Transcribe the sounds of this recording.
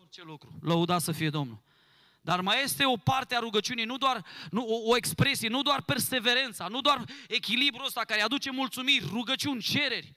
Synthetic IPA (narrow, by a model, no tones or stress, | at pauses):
ort͡ʃe̞lukɾuləud̪at̪səfije̞d̪o̞mnul | d̪armaje̞st̪e̞o̞part̪eaɾuɡət͡ʃiunijnud̪oarnuoːe̞kspɾe̞sije̞nud̪oarpe̞rse̞ve̞ɾe̞nt̪sanud̪oare̞kʲilibɾuəst̪akaɾead̪ut͡ʃe̞mult̪sumirʲruɡət͡ʃiunʲt͡ʃe̞ɾe̞rʲ